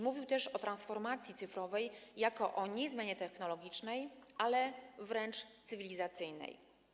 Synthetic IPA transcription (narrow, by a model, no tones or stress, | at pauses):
muvʲiwt̪ɛʂɔt̪ɾansfɔɾmat̪sʲjit̪sɘfɾɔvɛjːakɔʔɔɲɛzmʲjaɲɛt̪ɛxnɔlɔɡʲit͡ʂnɛjʔalɛvɾɛnt͡ʂt̪sɘvʲilʲizat̪sɘjnɛ̰j